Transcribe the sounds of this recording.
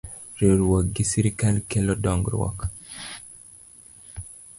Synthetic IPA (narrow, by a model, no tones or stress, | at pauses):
ɾeɾwɔɡisiɾikalkɛlɔdɔŋɡɾwɔ̰k